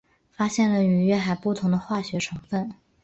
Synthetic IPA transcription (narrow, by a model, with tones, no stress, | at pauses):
fa˥ɕjɛ˥˩nlə˩y˧˥ɥɛ˥˩xa˨˩ɪpu˥˩t̪ʰʊ˧˥ŋd̪ə˧xwa˥˩ɕɥɛ˧˥ʈ͡ʂʰɤ˧˥ŋfə˥˩n